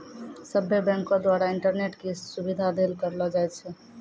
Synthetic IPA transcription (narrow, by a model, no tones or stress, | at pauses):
səbʱːebɛ̃ŋkõd̪waɾaɪɳʈəɾneʈkisubid̪ʱad̪elkəɾlɔd͡ʒaɛt̪̚t͡ʃʰɛ